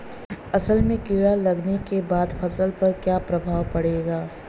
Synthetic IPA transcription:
ɐsəlmẽkiɽalɐɡnekebaːd̪pʰɐsəlpɐɾkjaːpɾɐbʱaːwpɐɽeːɡaː

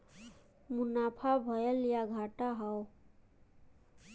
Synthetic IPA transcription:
munapʰabʱʌjəljaɡʱaʈaɦʌw

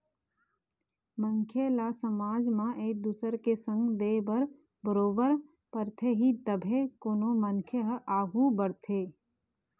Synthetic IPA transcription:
məŋkʰjelasəmaːd͡ʒmãʔeːk̚d̪uːsəɾkesə̃ŋɡd̪eːbəɾ | bəɾoːbəɾ | pəɾt̪ʰeɦit̪əbʱekoːnoməŋkʰjəɦʔaːɡũbəɾt̪ʰeː

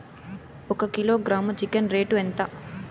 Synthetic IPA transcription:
ɔkɐkilo̞ːɡɾaːmt͡ʃikɐnɾe̞ːʈuent̪ɐ

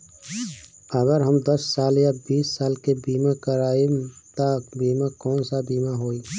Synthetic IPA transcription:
əɡəɾɦəmd̪əsːaːljabiːsːaːlkebiːmakəɾaːit̪abiːmakɔːnsabiːmaɦoːiː

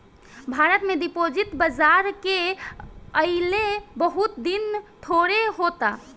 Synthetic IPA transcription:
bʱaɾət̪med̪ipod͡ʒit̪bəd͡ʒaɾke | əɪlebəɦut̪d̪int̪ʰoɾeɦot̪a

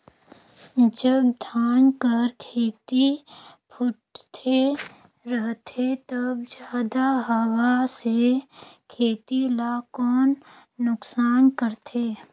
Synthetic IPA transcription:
d͡ʒəbd̪ʱaːnkəɾkʰeːt̪ipʰʊʈt̪ʰe | ɾəɦt̪ʰet̪əbd͡ʒjaːd̪aɦəwasekʰeːt̪ilakɔːnː | ʊksaːnkəɾt̪ʰeː

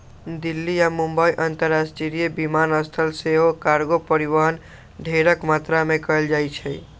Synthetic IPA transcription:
d̪ilːijamũmbəiʔənt̪əɾasʈiɾijebimanəst̪ʰəlseɦokaɾɡopəɾiʋəɦən | ɖʱeɾəkmat̪ɾamekəld͡ʒajt͡ʃʰɛ

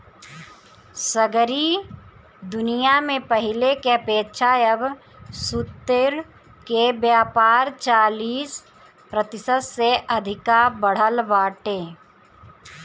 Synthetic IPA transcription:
səɡɾi | d̪ʊnijamẽpɐɦɪlekeɐpeːt̪ʃʰaːjəb | sʊt̪ːɪɾ | kebjaːpaːɾt͡ʃaːliːs | pɾət̪ɪsəd̪seʔɐd̪ʱɪkabəɽ̤əlʋaːʈeː

